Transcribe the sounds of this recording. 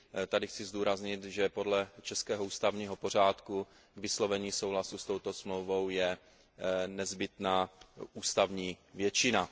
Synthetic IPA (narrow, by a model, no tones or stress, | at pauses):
t̪adɪxt͡sɪzd̪uːɾazɲɪt̪ʒɛpo̞dlɛt͡ʃɛskɛːɦouːst̪avɲiːɦo̞po̞r̝aːt̪ku | ɡvɪslo̞vɛɲiːso̞wlasust̪o̞wt̪o̞smlowvo̞wjɛ | nɛzbɪt̪naːʔuːst̪avɲiːvjɛt͡ʃɪna